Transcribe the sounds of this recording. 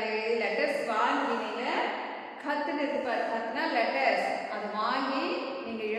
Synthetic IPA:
lɐɡlɛʈɐsʋaːŋɡiniːŋɡɐ | kʰɐt̪ːnɪd̪pɐɾkʰɐt̪ːnaːlɛʈɐɾsɐðɯʋaːŋɡi | niːŋɡɐɪ

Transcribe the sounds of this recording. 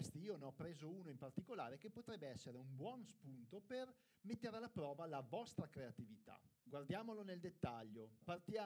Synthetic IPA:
st̪iiːoneɔpːɾeːzouːnoimpart̪ikola̰ːɾekepːot̪ɾɛbːeɛsːeɾeumbwɔnspunt̪oper | met̪ːeɾealːapɾɔːvalavɔst̪ɾakɾeat̪ivit̪a̰ɡward̪jaːmoloneld̪et̪ːaʎːopart̪jaː

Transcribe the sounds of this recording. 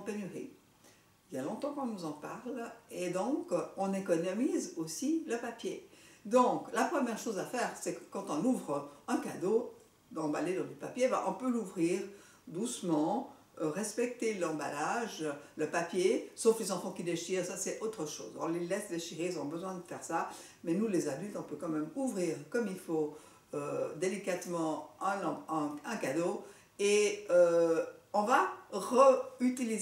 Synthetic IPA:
ɑ̃pɛnyʁḭ | iljalɔ̃t̪ɑ̃kɔ̃nuzɑ̃paʁled̪ɔ̃kɔ̃nekɔnɔmizosiləpapjed̪ɔ̃ːklapχəmjɛʁʃozafɛːʁsɛkə̥kɑ̃t̪ɔ̃nuvʁɛ̃kad̪o | d̪ɑ̃baled̪ɑ̃d̪ypapjeva̰ʔɔ̃pøluvʁiːʁ | d̪usmɑ̃ | ʁɛspɛk̚t̪elɑ̃ba̰laʒləpapjesoflezɑ̃fɑ̃kʲid̪eʃiːʁsasɛot̪χəʃo̰ːzɔ̃lelɛsd̪eʃiʁeizɔ̃bəzwɛ̃d̪əfɛʁsa | mɛnulezad̪ylt̪ɔ̃pøkɑ̃mɛmuvʁiːʁkɔmilfo | ød̪elikat̪mɑ̃ɛ̃nɑ̃ɛ̃ɛ̃kad̪o | eø | ɔ̃vaʁəyt̪iliz

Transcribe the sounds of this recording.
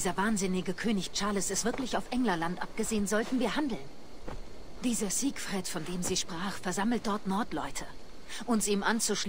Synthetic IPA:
dːzɐvaːnzɪnɪɡəkʰøːnɪçt͡ʃaɐləsɪstv̥ɪɐklɪçaʊfʔɛŋlɐlantʔap̚ɡ̥əzeːənzɔltn̩viːɐhandl̩n | d̥iːzɐziːkfʁ̥ɛtfɔndeːmziːʃpʁ̥aːχfɛɐzaml̩t̚d̥ɔɐtnɔɐtlɔʏtʰə | ʔʊnsʔiːmʔant͡suʃ

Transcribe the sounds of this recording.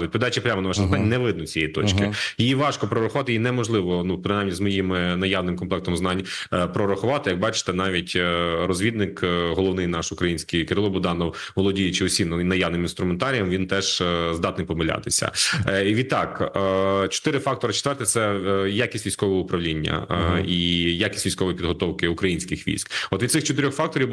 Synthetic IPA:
ʊtʲpiɪd̪ɑt͡ʃipɾʲamɔnɐʋɑʃɪznɑnʲnɛʋɪd̪nʊt͡sʲijɛ̰jit̪ɔ̰t͡ʃkɪjijiʋɑʃkɔpɾɔɾɐxʊʋɑt̪ɪinɛmɔʒlˠɪʋɔnupɾɪnajmnʲizmɔjimɪnɐjɑʋnɪmkɔnplˠɛk̚t̪ɔmznɑnʲpɾɔɾɐxʊʋɑt̪ɪjɐk̚bɑt͡ʃɪ̥t̪ɛnɑʋʲitʲrɔzʲʋʲid̪nɪkɦɔlˠɔʋnɪjnɑʃʊkɾɐjinʲsʲkijkɪɾɪlˠɔbʊd̪ɑnɔwʋɔlˠɔdʲijt͡ʃɪɔsʲimnɐjɑʋnɪminst̪ɾʊment̪ɑɾʲijɐmʋʲint̪ɛʒzd̪ɑt̪nɪjpɔmɪlʲa̰t̪ɪsʲɐ̰ʋʲid̪̚t̪ɑk | t͡ʃɔ̥t̪ɪɾɪfɑk̚t̪ɔɾɐt͡ʃe̥t̪ʋɛrt̪ɛsɛjakʲisʲtʲʋʲijsʲkɔʋɔɦɔʊpɾɐʋlʲinʲːɐ̰ijakʲi̥sʲʋʲijsʲkɔʋɔjipʲid̪ɦɔt̪ɔwkɪʊkɾɐjinʲsʲkɪxʋʲḭjsʲkɔt̪ʋid̪sɪxt͡ʃɔt̪ɪɾʲɔxfɑk̚t̪ɔɾʲiw

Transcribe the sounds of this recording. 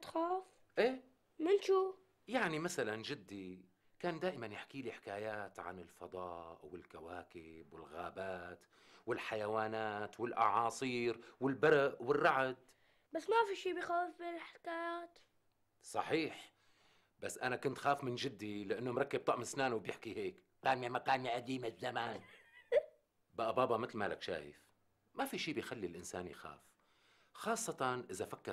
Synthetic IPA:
t̪xaːf | ʔeː | mɪnʃu | jaʕnimasalanʒɪd̪ːi | kaːnd̪aːʔɪmanjɪħkiːliħɪ̥kaːjaːt̪ʕa̰nɪlfɑd̪ˤɑːʔwɪlkawaːkɪbwɪ̰lɣaːbaːt̪ | wɪlħajawaːnaːt̪wɪlʔɑ̰ʕɑːsˤiːɾwɪlbaɾˤʔwɪrːɑʕad̪ | basːmafiʃiːbɪjxaːfbɪlħɪ̥kaːjaːt̪ | sˤɑħiːħ | basːʔanakʊnt̪xaːfmɪnʒɪd̪ːilɪʔanːomɾˤɑkːɪb̚t̪ˤɑʔmɪsnaːnwbjɪħkiheːk | qaːnjamakaːnjaʔad̪iːmɪzːamaːn | baʔabaːbɑmɪt̪lmala̰kʃa̰ːjɪ̰f | mafiʃiːbɪjxalːilʔɪnsa̰ːnjxa̰ːf | xɑːsˤːɑt̪ɑnʔɪzafakːɪ

